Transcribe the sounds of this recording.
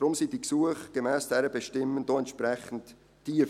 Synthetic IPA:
d̥ɾʊmsiːd̥iksuəχɡ̥emɛːsd̥ɛɾəbəʃtɪmːənd̥oɛntʃpɾɛχən̩t | tːiːə

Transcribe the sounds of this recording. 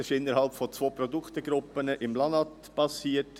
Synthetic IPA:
ɪʃɪnːəɾhɑlpfɔt͡sʋoːpɾɔd̪ʊkχt̪əɡɾʊpːənəʔɪmlɑnɑt | b̥ɑsiːət

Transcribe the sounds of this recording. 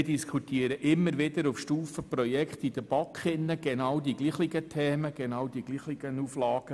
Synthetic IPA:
diskʰχut̪iːəɾəʔɪmːəɾʋɪd̪əɾʊfʃtuːfəprɔjɛkχt̪id̥̪əb̥ɑkχɪnːəɡ̥enɑːwd̪iɡliːχliɡətʰɛːməɡ̥enɑːwd̥̪iɡ̥liːχliɡ̥ənuflɑːɡ̥ə

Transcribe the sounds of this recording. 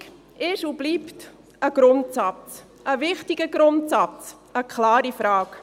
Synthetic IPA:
ɪʃub̥liːpt | əɡ̥ɾʊntsɑt͡s | ʔəvɪχtiɡ̥əɡɾʊntsɑt͡s | əkʰlɑːɾifɾɑːk

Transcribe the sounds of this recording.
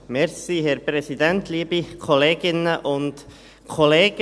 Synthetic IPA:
mɛɾsiːhɛɾpɾɛsid̪ænt̪liːbikʰɔleːɡ̥ɪnəʔʊnt | kʰɔleːɡ̥

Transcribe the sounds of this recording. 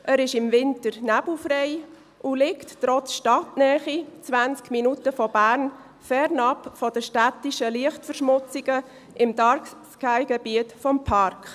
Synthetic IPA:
ʔæɾɪʃɪmvɪntəɾnæbl̩ˠfɾɛɪ | ulɪktːɾɔt͡sʃtɑtnɛːχit͡sʋænt͡skminutəfɔbæːɾn | fɛɾnɑpfɔd̥əʃtætiʃəliəχtfəɾʃmʊt͡siɡə | ʔɪmd̥ɑɾkskæɪɡɛbiətfɔmpʰɑɾkχ

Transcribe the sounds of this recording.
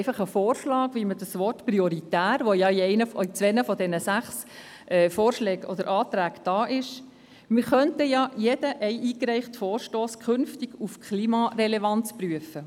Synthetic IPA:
ɛɪfɑχəfoːrʃlɑːɡʋimədəsʋɔrtpɾiɔɾitæːɾʋojɑiɛɪnəfit͡sʋɛnəfɔdɛnəsæχs | ʔɛːfoːrʃlɛːɡɔ̰d̥əɾʔɑːt̪ɾæːkd̥ɑːʔɪʃ | mɪɾχœntəjɑjɛd̥əʔɛɪʔiːkɾɛɪχtfoːrʃtoːskʰχɵnftɪɡufkʰliːmɑrɛlɛvɑnt͡spryəfə

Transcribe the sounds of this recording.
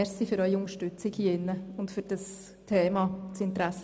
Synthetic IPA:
ɛɾsifʏɾœʏiʊŋəɾʃtʏt͡sɪkhiɪnːəʊntfyɾd̥əs | tʰeːmɑt͡sɪntɾæsːə

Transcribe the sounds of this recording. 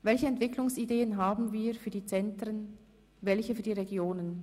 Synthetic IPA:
vɛlçəɛntv̥ɪklʊŋsideːənɦaːbn̩viːɐfyːɐdiːt͡sɛntʁən | vɛlçəfyːɐdiːʁeɡjoːnən

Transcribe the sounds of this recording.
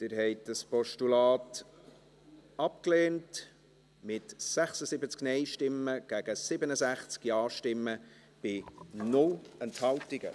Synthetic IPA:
t̪ɪɾɦɛɪtdəspɔʃtulɑːt | ɑp̚kleːnt | mɪtsæχsəsɪbət͡sknɛɪjʃtɪmːəɡ̥æɡ̥əsɪbənəzæχt͡skiɑːʃtɪmːə | b̥ɪnʊlɛnthɑltɪɡə̰

